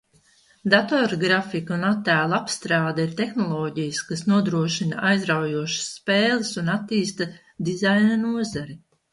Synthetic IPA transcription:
d̪at̪ɔɾɡɾafikunat̪ːæːlˠapst̪ɾaːd̪aiɾt̪exnɔlˠɔːɟijskasnuɔd̪ɾuɔʃinaajzɾawjuɔʃḁsːpeːlˠɨsunat̪ːiːst̪a | d̪izajnanuɔzaɾi

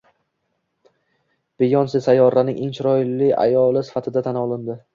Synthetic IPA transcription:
b̥ɪjɒnsɪsajɒɾanɪŋʔɪnt͡ʃɾɒjlɪa̰jɒlˠɪsɪ̥fat̪ʰɪd̪at̪ʰanɒlˠɪnd̪ɪ

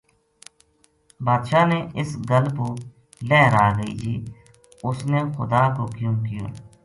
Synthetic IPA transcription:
baːd̪ʃaːneːʔɪsɡəlpoː | lɛːɾaːɡəḭːd͡ʒ̪ʰiː | ʊsneːxʊd̪aːkokjũːmkɪjõ̰ː

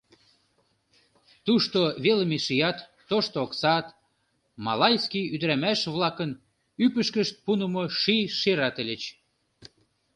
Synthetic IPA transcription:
t̪uʃt̪oβelmeʃijɑt̪ːoʃt̪ooksɑt̪ | mɑlɑjskʲijyd̪əɾæmæʃβlɑkən | ypəʃkəʃt̪̚punəmoʃiʃeɾɑt̪elʲet͡ɕ

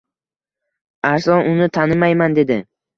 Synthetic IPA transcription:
aɾsɒnʔʊnɪt̪ʰanɪmajmand̪e̞d̪ɪ

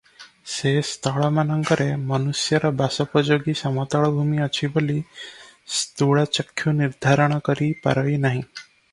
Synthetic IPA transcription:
sest̪ɔɭɔmanɔŋkɔɾemɔnusjɔɾɔbasɔpɔd͡ʒoɡisɔmɔt̪ɔɭɔbʱumiɔt͡ʃʰiboli | st̪uɽat͡ʃɔkʰːjuniɾd̪ʱaɾɔɽ̃ɔkɔɾipa̰ɾɔjnaɦĩ

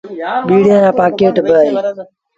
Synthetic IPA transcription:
ɓiːɽãːɾãːpãːkeːʈbʱəeː

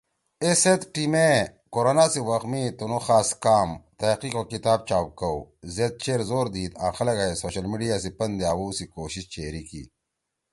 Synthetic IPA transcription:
eset̪ʈiːme | koɾonaːsiwɐxmit̪onoxaːskaːmt̪ɐqikokit̪aːb̚t͡ɕaːp̚kɐwzet̪̚t͡ɕeːɾzoːɾd̪iːt̪ãːxɐlɐɡaesoːɕɐlmiɖijaːsipɐnd̪jaːwusikoːɕist͡ɕeːɾikḭː

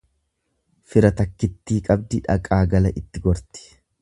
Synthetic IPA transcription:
fɪɾɐt̪ɐkːɪt̪ːiːkʼɐb̚d̪ɪᶑɐ̰kʼaːɡɐlɐʔɪt̪ːɪɡɔɾt̪ɪ̥

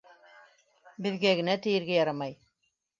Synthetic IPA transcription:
bɘ̆ðɡæɡɘ̆næt̪ɘ̆jɘ̆ɾɡæjɑɾɑmɑj

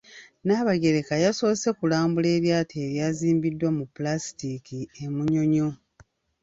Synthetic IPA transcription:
naːβaɡe̞ɾe̞kajaso̞ːse̞kulaːmbule̞ːβjaːtʰeːβjaːziːmbidːwamupulastikiemuɲo̞ɲo

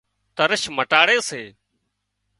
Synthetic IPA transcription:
t̪əɾəʃməʈaːɽeːseː

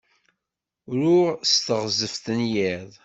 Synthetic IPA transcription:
ɾʊɾst̪əʁzəfθənjiðˤ

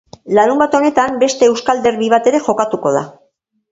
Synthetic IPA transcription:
laɾumbat̪o̞ne̞t̪ambe̞st̪e̞ːwskald̪e̞rβiβ̞at̪e̞ɾe̞xo̞kat̪uko̞ð̞a̰

